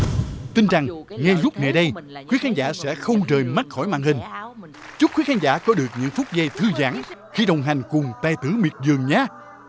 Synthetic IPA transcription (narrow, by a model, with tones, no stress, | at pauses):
t̪ï˧nt͡ɕa˨˩ŋŋɛ˧zʊ˦˥k͡p̚ŋa˨˩ɗə˧jxwi˨˦əkaː˨˦nzaː˧˥sɛ̰˧˥xə˧wŋ͡mt͡ɕəː˨˩jma˦˥t̚xɔ˧˩jma̰ː˧˨nhï˨˩ŋ̟ | t͡ɕʊ˦˥k͡p̚kwi˨˦˥xaː˧nzaː˧˥˩kɔ˨˦ɗɨ˨˩ək̚ɲɨ̰˧˥ŋfʊ˦˥k͡p̚za˧jt̪ʰɨ˧za̰ː˧˥˩ŋxi˧ɗə˨˩wŋ͡mɦa˨˩jŋ̟kʊ˨˩ŋ͡mt̪a˧˩jt̪ɨ˧˦mi˨˩ət̚zɨ˨˩əŋɲaː˨˧